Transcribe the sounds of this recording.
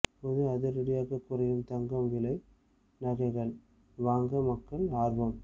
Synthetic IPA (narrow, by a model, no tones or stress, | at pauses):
poːðɯɐðɯɾɪɽɪjaːɣɐkːʊrɐjɯmt̪ɐŋɡɐmʋɪlɐɪ | nɐɣɐɪɣɐɭ | ʋaːŋɡɐmɐkːɐɭaːɾʋɐm